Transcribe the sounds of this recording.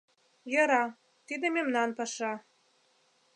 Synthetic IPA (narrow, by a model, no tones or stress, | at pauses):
jɤ̆ɾɑ | t̪id̪ememnɑnpɑʃɑ